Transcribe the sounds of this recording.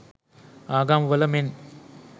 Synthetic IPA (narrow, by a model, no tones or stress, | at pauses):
aːɡaːmʋɐlɐmen